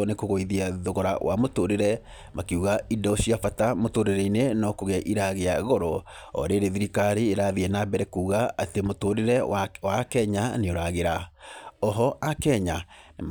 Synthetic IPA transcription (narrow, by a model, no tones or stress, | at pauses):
ɔnekoɣoiðiaðoɣɔɾa̰wa̰motoɾeɾɛ | makeuɣaidɔoɕiafatamotoɾeɾɛinenɔkoɣeaʔiɾaɣeaɣɔɾɔɔ̰ɾeːɾeðiɾikaɾiːɾaðiɛnabɛɾɛkuːɣaatemotoɾeɾɛwakɛɲaneoɾaɣeɾaɔɦɔʔakɛɲam